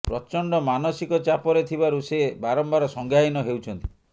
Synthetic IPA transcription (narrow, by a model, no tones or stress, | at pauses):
pɾɔt͡ʃɔɳɖɔmanɔsikɔt͡ʃapɔɾet̪ʰibaɾusebaɾɔmbaɾɔsɔŋɡʱjainɔɦewt͡ʃʰɔnt̪i